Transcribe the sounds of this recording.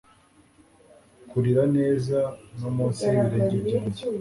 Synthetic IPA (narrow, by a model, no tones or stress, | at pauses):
kuɾiɾane̞ːzanomuːnsiβiɾeːɲɟebɟiːɲɟe